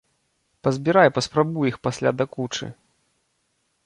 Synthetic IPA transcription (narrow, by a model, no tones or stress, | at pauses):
pɐzʲbʲiɾajpɐspɾabujixpasʲlʲa̰d̪akut͡ʂɨ̰